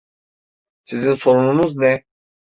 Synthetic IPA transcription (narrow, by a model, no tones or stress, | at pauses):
sizinso̞ɾununuznɛ